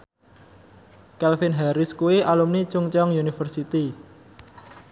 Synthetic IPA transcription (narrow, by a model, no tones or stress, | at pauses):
kɛlfinɦaɾɪskuiʔalumnit͡ʃuŋt͡ʃɔŋjunifərsit̪i